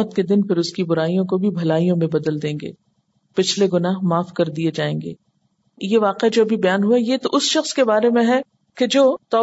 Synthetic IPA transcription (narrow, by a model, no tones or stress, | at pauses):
t̪ked̪ɪnpɪɾʊskibʊɾaːijõkobʱibʱɐlaːijõmẽbɐd̪əld̪ẽːŋɡḛː | pɪt͡ʃʰleɡʊnaːɦmaːfkɐɾd̪ied͡ʒaːẽːŋɡḛː | jeʋaːqead͡ʒoːɐbʱibɐjaːnɦuajet̪oʔʊsʃɐxskebaːɾemẽɦɛ | ked͡ʒoːt̪ɔː